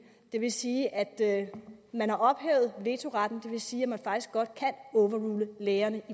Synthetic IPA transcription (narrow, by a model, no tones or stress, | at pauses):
d̥e̝ʋe̝siːʔæd̥ | mænhɑ̈ʔɒ̽b̥hɛ̰ʊð̞̩ˠʋe̝ːt͡sʰo̝ʁɑd̥n̩d̥e̝ʋe̝siːæmænfɑ̈ɡ̥isɡ̥ɒ̽d̥̚kʰænɔ̽ːʋɐʁuːləleːɐnəi